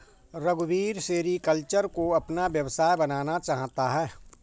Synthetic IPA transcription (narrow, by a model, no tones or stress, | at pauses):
ɾɐɡbiːɾseːɾikəlt͡ʃəɾkoɐpnaʋjɐʋsaːjbɐnaːnat͡ʃaːɦt̪aɦɛː